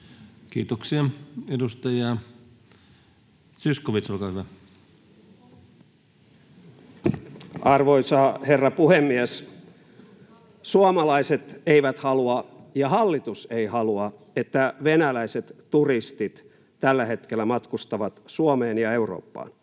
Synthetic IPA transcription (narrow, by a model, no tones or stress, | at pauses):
kiːt̪oksiɑedust̪ɑjɑ | syskoʋit̪solkɑːhyʋæ | ʔɑrʋoisɑːherːɑpuhemːies | suomɑlɑiset̪eiʋæt̪hɑluɑjɑhɑlːit̪useihɑluɑ | et̪ːæʋenælæiset̪ːurist̪it̪ | t̪ælːæhe̞t̪kelːæmɑt̪kust̪ɑʋɑt̪suomeːnjɑeuro̰ːpːɑ̰ːn